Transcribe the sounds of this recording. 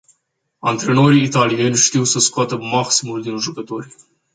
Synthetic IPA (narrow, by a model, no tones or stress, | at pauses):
ant̪ɾeno̞ɾiːt̪alijenʲʃt̪iwsəskoat̪əmaksimuld̪inʒukət̪o̞ɾʲ